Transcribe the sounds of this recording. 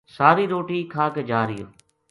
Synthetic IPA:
saːɾiːɾoːʈiːkʰaːked͡ʒaːɾijo̰ː

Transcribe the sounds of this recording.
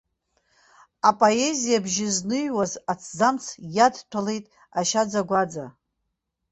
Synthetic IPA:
apʼoe̞zijabʒɪznɨjwazat͡sʰd͡zamt͡sʰjadtʷʰale̞jtʼ | aʃad͡zaɡʷad͡za

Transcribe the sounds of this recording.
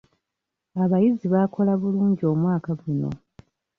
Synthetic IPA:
aβajiziβakʰo̞laβuluːɲɟio̞ːmwaːkaɡuno̞̰

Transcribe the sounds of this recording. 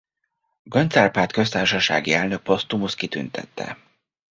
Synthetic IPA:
ɡɒɲt̪sɛrpaːt̪kø̞st̪aːrʃɒʃa̰ːɡiɛlnø̞k̚post̪umus̚kit̪y̰nt̪ʰɛ̰t̪ːɛ̰

